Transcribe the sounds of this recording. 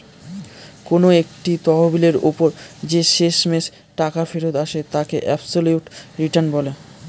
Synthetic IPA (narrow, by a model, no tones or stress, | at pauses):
konoek̚ʈit̪ɔɦobileɾṵpoɾd͡ʑeʃeʃmes | ʈakafeɾod̪aʃet̪akeʔɛbsoljuʈɾiʈanbɔle